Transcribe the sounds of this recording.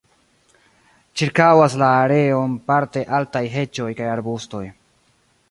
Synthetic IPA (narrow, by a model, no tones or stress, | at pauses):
t͡ʃiɾkawaslaːɾe̞o̞npaɾte̞ʔaltajɦe̞t͡ʃo̞jkajaɾbusto̞j